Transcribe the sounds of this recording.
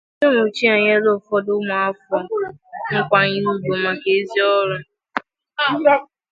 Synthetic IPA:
t͡ʃo˦mo˨t͡ʃi˦a˨ɲ˦a˦lo˦˨fɔ˦dʊ˦ma˨a˦fɔ˦ŋ̩˦kʷa˦ɲi˦nu˦bo˨ma˨ke˨e˦zi˦ɔ˦lɔ˦

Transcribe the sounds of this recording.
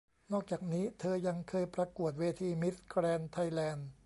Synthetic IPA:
nɔː˥˩k̚t͡ɕaː˨˩k̚niː˦˥t̪ʰɤː˧ja˧ŋkʰɤː˧jpɾa˧ku˨˩ət̪̚weː˧t̪ʰiː˧mi˦˥t̪̚kɾɛː˧nt̪ʰa˧jlɛː˧n

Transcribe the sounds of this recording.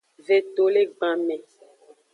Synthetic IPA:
ve˨t̪o˨le˦ɡ͡bã˨mɛ̃˨

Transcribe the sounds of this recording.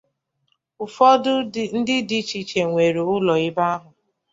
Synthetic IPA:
ʊ˨fɔ˦ʊ˦n̩˦dɪ˦di˦t͡ʃi˨t͡ʃe˨ŋʷe˨ɾo˨ʊ˦lɔ˨ɪ˦ba˦a˦ɦʊ˨

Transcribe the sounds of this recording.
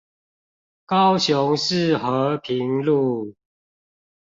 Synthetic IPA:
kɑ˦ʊɕjʊ˨˦ŋʂɻ̩˥˨xə˨˦pʰi˨˦ŋlu˥˨

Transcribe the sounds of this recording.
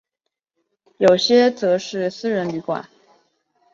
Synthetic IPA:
jo˨˩ʊɕjɛ˥t͡sɤ˧˥ʂɻ̩˥˩sɹ̩˥ɻə˧˥nly˧˥kwa̰˨˩˦n

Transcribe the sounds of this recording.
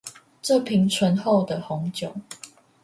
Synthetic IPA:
ʈ͡ʂɤ˥˨pʰi˨˦ŋt͡sʰwə˧˦nxo˥˨ʊd̪ə˨hɔ˨˦ŋt͡ɕjɔ˨˩ŋ

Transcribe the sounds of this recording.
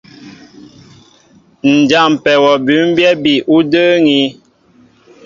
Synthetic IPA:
n̩˨d͡ʒa˦˨m˨pɛ˨wɔ˨bʉ˨˦m˦bjɛ˦bi˨ʔu˦dəː˦ŋi˦

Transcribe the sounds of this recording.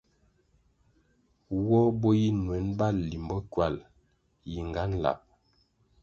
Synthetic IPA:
wɔ˦bɔ˦ji˦nwɛ˨˦nba˦˨lːi˨mbɔ˦kwa˦˨l | ji˨ŋɡa˦n˦la̰˨p̚

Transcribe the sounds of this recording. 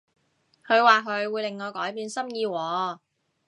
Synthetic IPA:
kʰɵ˨˧ɥwaː˨kʰɵ˨˧ɥwuː˨˧jle˨˩ŋːɔː˨˧kɔː˨˥jpiː˨˧nsɐ˥mjiː˧wɔː˨˧

